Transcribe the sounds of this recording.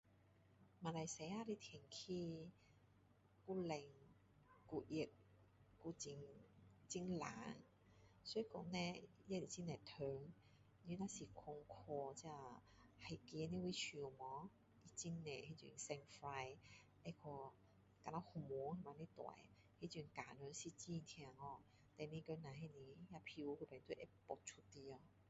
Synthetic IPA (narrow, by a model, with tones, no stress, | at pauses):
ma˨˩la˨˩jse˨˥jaː˧˥ɾi˦˥t̪ʰɛ˨˩ŋkʰiː˦˥ | ku˥le˨˧ŋ | ku˧ji˧˩k̚ | ku˧˥t͡si˧˩ŋt͡si˥ŋla̰ː˨˦ŋ | sɔ˨˥˧kɔ˨˥ŋnɛ˦˧jɛ˥li˨˩t͡si˦˥nɛ˨˩t̪ʰøː˨˧ŋ | ny˧˦na˧˥siː˨˩kʰɔ˧ŋkʰɔ˧t͡sɛ˧˥a˧˩ | ha˨˩jki˧˦ni˦˧wi˧˦t͡ɕʰy˧˩˨mɔ˨˧˦ | i˨˩t͡ɕi˦˥nːɛ˨˩he˧˦t͡ɕy̰˧˩˧nsɛ˧ŋfɾa˧j | ɛ˧kʰɔ˧ | ka˧˩na˧˦hu˨˧˩mɔ˨˧˦ŋhe˧˩ma˧ni˦˥t̪wa̰˨˩j | he˧˦t͡ɕy˧˩nkaː˨nø˨˧˦nsi˧t͡ɕi˥˧˨t̪ʰa˧ŋɔ˧˩ | t̪ɛ˧ni˧kø˧na˨ɦe˧ni˧ja˧pʰi˧wku˧˩pɛ˨˩nt̪wʔɛ˦˥pɔ˨˩t͡ʃʰu˧t̪i˧ɔ˧